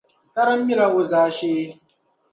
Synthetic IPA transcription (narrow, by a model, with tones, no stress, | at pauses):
tɐ˦ɾɐ˦mːi˦la˦wu˦zaː˦ʃeː˦